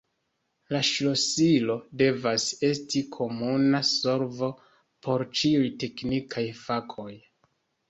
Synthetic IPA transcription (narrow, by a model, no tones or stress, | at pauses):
laʃlosilo̞de̞vase̞stikʰo̞munaso̞ɾvo̞ | pʰo̞ɾt͡ʃiujte̞knikʰajfakʰo̞j